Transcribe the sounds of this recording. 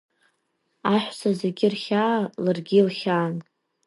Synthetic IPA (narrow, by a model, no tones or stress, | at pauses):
aħʷsazeɡʲɪrχʲaːlarɡʲilχʲaːn